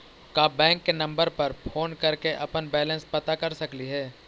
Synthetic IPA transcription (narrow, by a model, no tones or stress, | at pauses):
kaːbɛ̃ːŋkːenɐ̃mbəɾpɐɾpʰoːnkɐɾkeʔɐpənbɛːlə̃nspɐt̪akɐɾsɐkliɦɛː